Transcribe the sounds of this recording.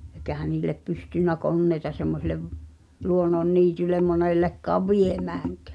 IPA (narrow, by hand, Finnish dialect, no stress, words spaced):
ekæhæ niːlˑep pystynːæ konːeitɑ semːoseleʋ luonːonːiːtylem monelːekːɑːʋ ʋiemæːŋkæ̥ː